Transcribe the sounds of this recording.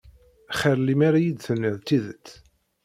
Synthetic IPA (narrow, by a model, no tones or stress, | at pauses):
χəɾlimaɾajid̪θənːəðt̪ːiðət͡s̪ː